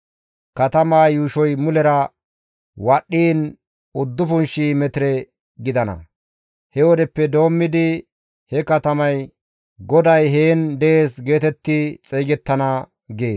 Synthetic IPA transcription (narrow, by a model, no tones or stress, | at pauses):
kɐt̪ɐmaːjuːʃɔjmʊlɛɾɐ | wɐɗːiːn | ʊd̪ːʊfʊnʃiːmɛt̪ɪɾɛ | ɡɪd̪ɐnɐ̰ | hɛwɔd̪ɛpːɛd̪o̞ːmːɪd̪ɪ | hɛkɐt̪ɐmɐj | ɡɔd̪ɐjɦeːnd̪ɛʔeːsɡe̞ːt̪ɛt̪ːɪt͡sʼɛːɡɛt̪ːɐnɐ | ɡe̞ː